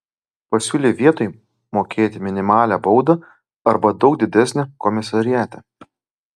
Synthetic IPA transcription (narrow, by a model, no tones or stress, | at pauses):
pɐsʲuːlʲeːʋʲiɛt̪oːj | moːkʲeːt̪ʲɪmʲɪnʲɪmɑːlʲæːbɒʊd̪ɐ | ɐɾbɐd̪ɒʊk̚d̪ʲɪd̪ʲæsʲnʲekɔmʲɪsɐɾʲɪjæːt̪ʲɛ